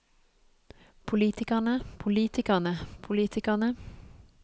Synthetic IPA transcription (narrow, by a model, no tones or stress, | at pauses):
pʰʊliːt̪ɪkɑnəpʰʊliːt̪ɪkɑnəpʰʊliːt̪ʰɪkɑnə